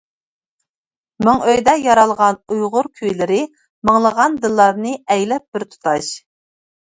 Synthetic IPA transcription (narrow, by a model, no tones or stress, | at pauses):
mɨŋøjd̪ɛjɑɾɑlˠʁɑnujʁʊɾkʲʰyjlɪɾɪ | məŋlˠəʁɑnd̪ɨlˠːɑɾnɨɛjlɛp̚b̥ɪɾt̪ʰu̥t̪ʰɑʃ